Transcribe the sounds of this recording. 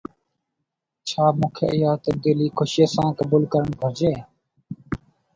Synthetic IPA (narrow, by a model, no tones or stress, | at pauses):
t͡ʃʰaːmũːkʰḛːʔɪjaːt̪əb̚d̪iːliːkʰoʃeːsãːkəbuːlkəɾəɳbʱəɾd͡ʒeː